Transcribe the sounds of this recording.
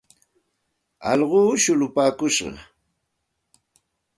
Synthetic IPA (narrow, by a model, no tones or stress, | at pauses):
ɑ̰ʎɢuːʃʊlʊpaːkʊʃɢɑ̰